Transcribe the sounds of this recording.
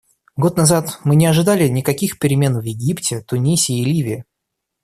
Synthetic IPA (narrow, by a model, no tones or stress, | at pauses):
ɡo̞t̪nɐzat̪mɨnʲɪɐʐɨd̪alʲɪnʲɪkɐkʲixpʲɪɾʲɪmʲe̞nvjɪɡʲiptʲɪt̪ʊnʲisʲɪːlʲivʲɪɪ